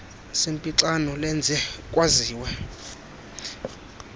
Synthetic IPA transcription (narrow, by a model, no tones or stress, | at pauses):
sempʼiǁanɔlɛnd͡zʱɛkʼwaziːwɛ